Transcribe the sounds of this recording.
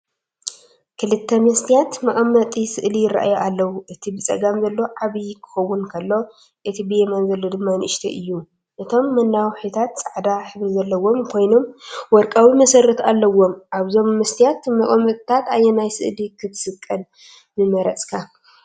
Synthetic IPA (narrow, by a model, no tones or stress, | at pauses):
kʰɨlɨt̪ʰːɐmɨst̪ʰijat̪mɐχʼɐmːɐt̪ʼisɨʔlijɪra̰ʔa̰joʔalːɐwuʔɨt̪ʰibɨt͡sʼɐ̰ɡamzɐlːo̞ʕaβikʰɨ̥xɐwːunkʰɐlːo̞ | ʔɨt̪ʰibɨjemɐnzɐlːo̞d̪ɨmːanʔɨʃt̪ʰɐ̰ʔɨjːu | ʔɨt̪ʰo̞mːɐnːawħit̪ʰat̪sʼaʕd̪aħɨβɾizɐlːɐwo̞mkʰo̞jno̞mwɔɾkʼawimɐsɐrːɐt̪ʰalːɐwo̞mʔaβzo̞mːɨst̪ʰijat̪mɐχʼmɨt̪ʼt̪ʰat̪ajːonajsɨ̰ʔlikʰɨt̪ʰsɨkʼːɐn | mɨmɐɾɐt͡sʼkʰa